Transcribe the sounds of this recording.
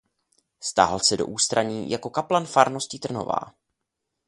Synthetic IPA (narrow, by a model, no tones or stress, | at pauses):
st̪a̰ɦalsɛdo̞ʔuːst̪ɾaɲiːjako̞kaplanfaɾno̞scit̪r̩no̞̰va̰ː